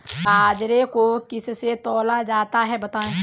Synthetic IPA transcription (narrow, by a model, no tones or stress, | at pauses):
aːd͡ʒɾekokɪsset̪ɔːlad͡ʒaːt̪aɦɛbɐt̪aːẽ